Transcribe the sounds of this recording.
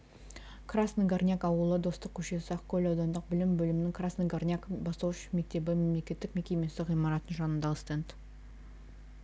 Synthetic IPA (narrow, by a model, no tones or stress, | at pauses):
kʰrasnəɡarnʲjakɑwəlˠəd̪o̞st̪əq̚kʲʰɵʃe̞sɪɑqkʲʰɵlɑwd̪ɑnd̪əq̚bɪlɪmbɵlɪmɪnɪŋkʰrasnəɡarnʲakbɑst̪ɑwʃə̥me̞k̚t̪e̞bɪme̞mle̞kʲe̞t̪ːɪkme̞kʲe̞mʲesɪʁijmɑɾɑt̪ənʒɑnənd̪ɑəst̪ent̪